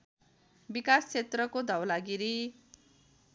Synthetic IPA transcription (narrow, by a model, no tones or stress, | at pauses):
bikast͡sʰet̪rʌkod̪ʱʌwlaɡiɾi